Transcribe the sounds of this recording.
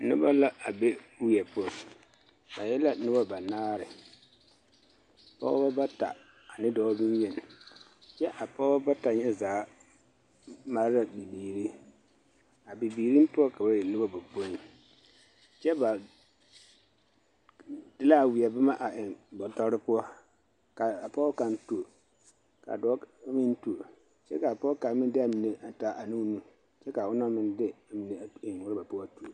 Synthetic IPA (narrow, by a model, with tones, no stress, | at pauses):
nʊ˦ba˦la˦a˨bɛ˦wi˨ɛ˨pʊ˦ɔ˨ | ba˨jɛ˦la˦nʊ˦ba˦ba˨naː˦ɾɪ˨ | pɔ̰ː˦ba˦ba˦ta̰˨ | a˨nɪ˦dɔː˦bi˦njɛ˨n˨ | t͡ʃɛ˦ʔa˨pɔ˦ba˦ba˦ta˨ɲɛ˦zaː˨˦ | ma˦ɾɪ˦la˦bi˨biː˨ɾi˦ | a˨bi˨biː˨ɾi˦m˦pʊ˦ɔ˦ka˨ba˨jɛ˨nʊ˦ba˦ba˨bo˦ni˨ | t͡ʃɛ˦ba˨ | d̥ɪ˦la˦˨wi˨ɛ˨ba˦ma˦ʔa˨ʔɪ˨ŋbɔ˨tɔ˦ɾɪ˦pʊ˦ɔ˦ | ka˨a˨pɔ˦ka˨ntu˨o˨ | ka̰˨dɔ˦mɪ˦n˦tu˨o˨ | t͡ʃɛ˦ka˨pɔ˦ka˨˦mɪ˦dɪ˦a˨mi˨ne˨ʔa˨ta˨ʔa˨nũ˦nũ˦ | t͡ʃɛ˦ka˨ʊ˦nɔ˦mɪ˦ndɪ˦a˨mi˨ne˨ɪ˨ŋwʊ˦ɾɪ˦ba˨pʊ˦a˨tu˨o˨